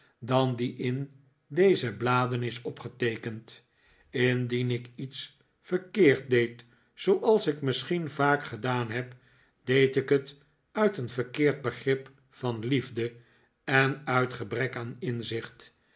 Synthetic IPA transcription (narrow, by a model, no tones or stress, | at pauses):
dɑndiʔɪn | dejzəblaːdənɪsɔpχətejkənt | ɪndinɪkits | fəɹkɪːɹt̚dejt | sowʔɑlˠsɪkmɪsχinvaːkχədaːnɦɛp | d̥ejtɪkət | œɥtənvəɹkɪːɹd̚bəχrɪp | fɑnlivdə | ɛnœɥtχəbrɛkaːnɪnzɪχt